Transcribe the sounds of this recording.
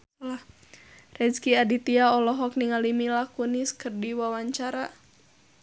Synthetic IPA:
lah | rɛd͡ʒkiadit̪iaɔlɔɦɔk̚niŋalimilakuniskɨrdiwawaɲt͡ʃaɾa

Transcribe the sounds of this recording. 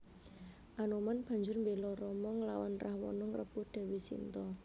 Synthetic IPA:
ʔanomanb̥ä̤ɲd͡ʒʊrmbelɔɾɔmɔŋlawanrʔahwɔ̰nɔŋrəb̥uhd̪̥ɛ̤wisḭnt̪ɔ

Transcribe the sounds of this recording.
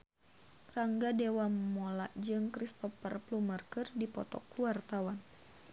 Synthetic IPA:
raŋɡadewammɔlaʔd͡ʒɨŋkɾist̪ɔfərplumarkərdipɔt̪ɔ̰kluart̪awan

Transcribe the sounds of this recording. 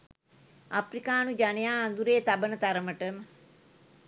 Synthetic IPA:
aprikaːnud͡ʒanejaːnd̪uɾeːt̪abənət̪aɾəməʈəmə

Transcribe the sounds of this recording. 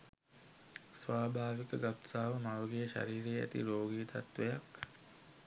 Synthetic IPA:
sʋaːbʱaːʋikəɡapsaːʋəmaʋəɡejəʃa̰ɾiːɾejæ̰t̪ḭɾoːɡiːt̪a̰t̪ʋejak

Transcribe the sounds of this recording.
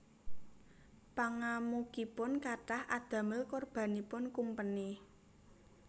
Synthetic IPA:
paŋamukipʊnkaʈahʔad̪̥ä̤məlkɔrb̥a̤nipʊnkumpəni

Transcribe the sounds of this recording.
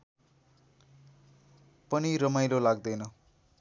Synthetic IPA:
pʌnirʌmajlolaɡ̚d̪ʌjnʌ

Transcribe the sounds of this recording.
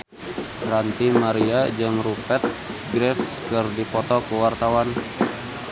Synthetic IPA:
rant̪imaɾiad͡ʒɔnrupɛt̪̚ | ɡɾɛfskərdipɔt̪ɔkəwart̪awan

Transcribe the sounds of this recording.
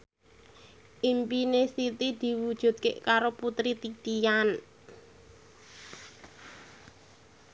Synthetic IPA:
ʔimpinesit̪id̪̥i̤wud̥ʒ̥ṳd̪̥̚keʔkaɾoput̪ɾit̪it̪ijan

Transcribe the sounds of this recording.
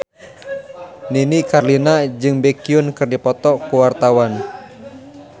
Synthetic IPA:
ninikarlinad͡ʒɨŋbɛkiʊnkɨrdipɔt̪ɔkuwart̪awan

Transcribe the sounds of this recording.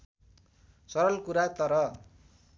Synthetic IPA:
sʌɾʌlkuɾat̪ʌɾʌ

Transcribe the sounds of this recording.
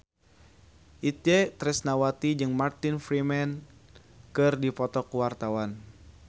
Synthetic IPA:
ʔit̪̚ɛt̪ɾɛsnawat̪id͡ʒɨŋmart̪infɾimɛn | kɨrdipɔt̪ɔkuwart̪awan

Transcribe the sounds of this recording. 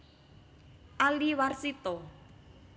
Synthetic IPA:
ʔaliwarsit̪ɔ

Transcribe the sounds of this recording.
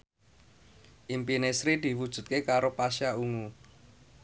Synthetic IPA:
ʔimpinesɾid̪̥i̤wud̥ʒ̥ṳt̪̚kekaɾopaʃjauŋu

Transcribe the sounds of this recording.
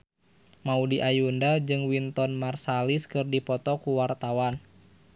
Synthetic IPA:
maudiʔajundad͡ʒɨŋwint̪ɔnmarsaliskɨrdipɔt̪ɔkuwart̪awan

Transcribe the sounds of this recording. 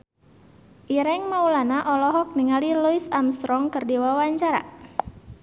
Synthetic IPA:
ʔiɾɛŋmaulanaʔɔlɔɦɔk̚niŋaliluisamst̪ɾɔŋkərdiwawaɲt͡ʃaɾa̰

